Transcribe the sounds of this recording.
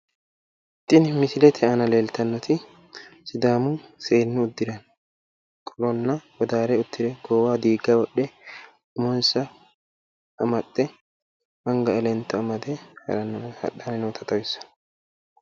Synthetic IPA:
t̪ʼːɪnmɪsɪlɛt̪ʰɛɐnɐleːlt̪ɐnːɔt̪ɪ | sɪd̪aːmʊseːnːɪʊd̪ːɪɾɐn | kʼɔlɔnːɐwɔd̪aːɾɛʊt̪ːɪɾɛɡ̥oːwaːd̪iːɡːawɔɗːɛ | ʊmɔnsɐ | ʔɐmɐtːɛ | mɐŋɡɐɛlɛnt̪ːɐːmɐd̪ɛhɐ̰ɾɐnːhɐ̰ɗːanɐnɛwt̪ʰɐt̪ɐwɪsɐ̥

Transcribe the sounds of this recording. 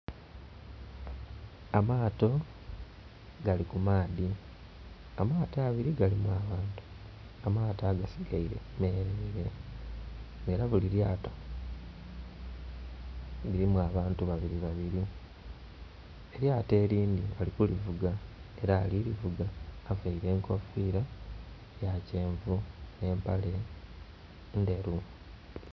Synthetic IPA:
amaːto̞ | ɡalikumaːði | amaːtaːβiɾiɡalimuaβaːntu̥ | amaːtaːɡasiɡaiɾe̞̰ | me̞ːɾeiɾe̞ | eɾaβuliɾjaːto̞̥ | βiɾimwaːβaːntuβaβiɾiβaβiɾi | eɾjaːte̞ːɾiːnd̪ialikulivuɡae̞ɾaːliɾivuɡaːvaiɾe̞ːŋkʰo̞fiːɾa | jace̞ːɱvune̞ːmpale̞ | nde̞ɾu

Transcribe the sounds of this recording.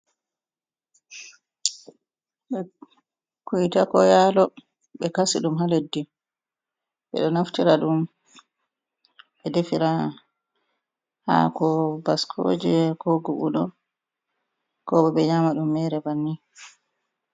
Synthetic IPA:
ɓɛ | kujtakɔjalɔ | ɓɛkasḭɗumɦaledːi | ɓɛ̰ɗɔnaftiɾaɗum | ɓɛdefiɾa | ha̰kɔbaskʰo̰ːd͡ʒɛkoɡuɓṵɗɔ | kɔɓɛɓɛɲamaɗumːɛɾɛbanːi

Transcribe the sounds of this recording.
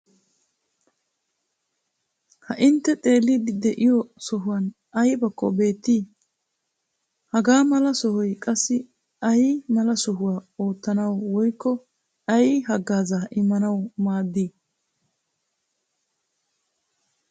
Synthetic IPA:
hɐʔɪnt̪ːɛt̪ʼe̞ːlːid̪ɪd̪ɛʔɪjɔsɔɦʊwɐn | ʔɐjbɐkːɔbe̞ːt̪ːiː | hɐɡaːmɐlɐsɔhɔjkʼɐsːɪ | ɐjmɐlɐsɔɦʊwaːo̞ːt̪ːɐnɐwwɔjkːɔ | ɐjɪɦɐɡːaːzaʔɪmːɐnɐwmaːd̪ːi

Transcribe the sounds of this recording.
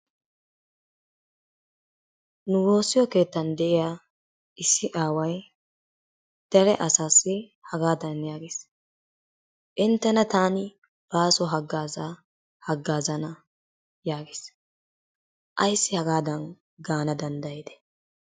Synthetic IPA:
nʊwo̞ːsːɪjɔke̞ːt̪ːɐnd̪ɛʔɪjaː | ʔɪsːɪʔaːwɐj | d̪̥ɐɾɛʔɐsaːsːɪ | hɐɡaːd̪ɐnjaːɡɪs | ʔɪnt̪ːɐnɐt̪aːnɪ | b̥aːsɔɦɐɡːaːza | hɐɡːaːzɐnɐ | jaːɡɪs | ʔɐjsːɪhɐɡaːd̪ɐn | ɡaːnɐd̪ɐnd̪ɐjɛd̪ɛ̥

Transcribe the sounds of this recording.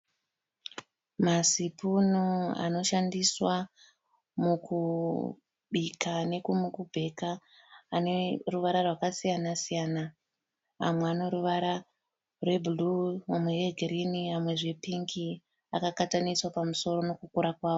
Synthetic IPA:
masipunoa̰no̞ʃandiswa | muku | ɓikane̞kumukubʱe̞kaː | neruʋaɾarwakasijanasijaːna | a̰mweano̞ɾuʋaɾa | rwe̞bʱuluamwejeɡʱeɾiniamwe̞ʐe̞piŋki | akakataniswapamuso̞ɾo̞no̞kukuɾakwaːʋo

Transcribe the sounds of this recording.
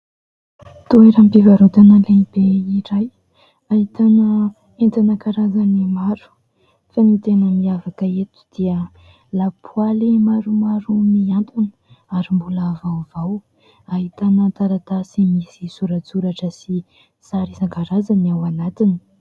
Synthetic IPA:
t̪ueɾampivaɾot̪anəlemib̥eiɾaj | aɦit̪anə | ent̪anəkaɾazanimaɾu̥ | fanit̪enəmiavakəet̪u̥d̪̥iə | lapʰualimaɾumaɾumiant̪unə̥aɾimbuləːvawvaw | aɦit̪anət̪aɾat̪asimisisuɾət͡suɾaʈ͡ʂəsi | saɾisaŋkaɾazaniawanat̪ini̥

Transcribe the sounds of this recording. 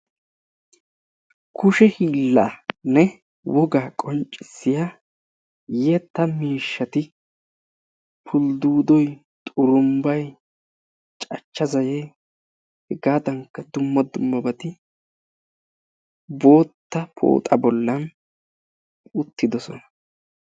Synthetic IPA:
kʊʃɛhiːlːaːnɛ | wɔɡaːkʼɔnt͡ʃʼːɪsːɪja | jɛt̪ːɐmiːʃːɐt̪ɪ | pʰʊld̪uːd̪ɔj | t̪ʼʊɾʊmbɐj | t͡ʃʼɐt͡ʃːɐzɐje | hɛɡaːd̪ɐŋkːɐd̪ʊmːɐd̪ʊmːɐbɐt̪ɪ | bo̞ːt̪ːɐpʰo̰ːt̪ʼɐbɔlːɐn | ʊt̪ːɪd̪ɔsɔnɐ̥

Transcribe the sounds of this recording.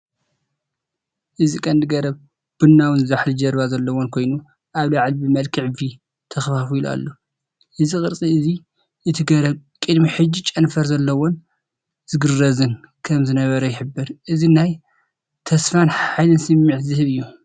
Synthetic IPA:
ʔɨzikʼɐnd̪ɨɡɐɾɐβ | b̥ɨnːawɨnzaħlɨd͡ʒɐɾβazɐlːɐwonkʰo̞jnu | ʔaβlaʕlbɨmɐlkʰiʕɨvi | t̪ʰɐxfafila̰lːo | ʔɨzikʼɨɾt͡sʼiɨzi | ʔɨt̪ʰiɡɐɾɐβkʼɨd̪miħɨd͡ʒit͡ʃʼɐnfɐɾzɐlːɐwon | z̥ɨɡɨrːɐzɨnkʰɐmzɨnɐβɐɾɐjɪħɨbːɨɾʔɨzinaj | t̪ʰɐsfanħajlɨnsɨmːɨʕzɨhɨβɨjːu

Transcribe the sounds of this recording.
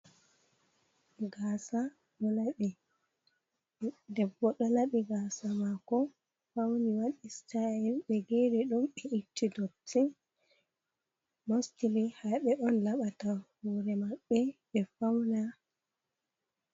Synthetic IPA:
ɡaːsa | ɗɔlaɓɛ | dɛbːɔɗɔlaɓiɡasamakɔ | fawniwaɗistaɛlɓɛɡeɾɛɗumɓɛʔitʰːidɔtʰːɛ | mostilihaɓɛʔɔnlaɓatawɔɾɛmaɓːɛɓɛfawna

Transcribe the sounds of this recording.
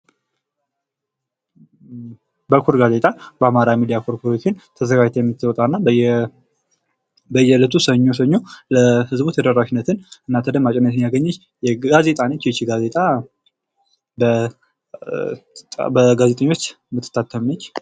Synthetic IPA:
bəkʰuɾɡaze̞t̪ʼabəamaɾamid̪ijakʰoɾkʰoɾot͡ʃːɪnt̪ʰəzəɡad͡ʒt̪ʰjɛmːɨt̪ʰːɨwɔt̪ʼanːa | bəjɛlət̪ʰusəɲːo̞s̬əɲːo̞ləhɨzbut̪ʰəd̪əɾaʃɪnːət̪ʰɨnɨnːat̪ʰəd̪əmːat͡ʃʼɛnːət̪ɨnjaɡəɲːət͡ʃː | jɛaze̞t̪ʼanət͡ʃːjɛt͡ʃːiɡaze̞t̪ʼa | bə | bəɡaze̞t̪ʼəɲːo̞t͡ʃː | mɨt̪ʰːɨ̥t̪ʰːat̪ʰːəmnət͡ʃː

